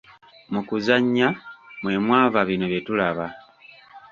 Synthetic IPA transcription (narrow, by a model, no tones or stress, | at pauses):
mukuzaɲːamwe̞mwaːvaβino̞βje̞tulaβa